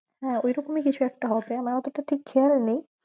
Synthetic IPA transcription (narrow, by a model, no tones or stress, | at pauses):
hɛ̃ojɾɔkomikit͡ɕʰuɛk̚ʈaɦɔepɾeamaɾɔt̪oʈaʈʰikːʰealnej